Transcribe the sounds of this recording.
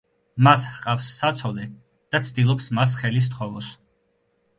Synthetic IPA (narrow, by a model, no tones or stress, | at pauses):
mashqʼafsːat̪sʰɔlɛ | d̪̥at̪sʰd̪ilˠɔpsmas̬χɛlis̬t̪χɔvɔs